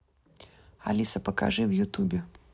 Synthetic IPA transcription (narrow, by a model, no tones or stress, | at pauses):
ɐ̰lʲisɐpɐka̰ʐɨjwjʊt̪ubʲɪ